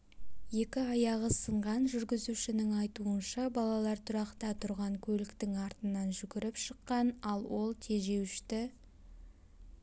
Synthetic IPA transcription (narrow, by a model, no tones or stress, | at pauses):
je̞kʲɪɑjɑʁəsəɴʁɑnʒʏɾɡʲɪzuʃɪnɪŋɑjt̪uənʃɑbɑlˠɑlˠɑɾt̪ʰʊɾɑqt̪ɑt̪ʰʊɾʁɑŋkʲʰɵlɪkt̪ɪŋɑɾt̪ənɑnʒʏɡʲɪɾɪpʃəqːɑnɑlˠwo̞lˠt̪ʰe̞ʒe̞wɪʃt̪ɪ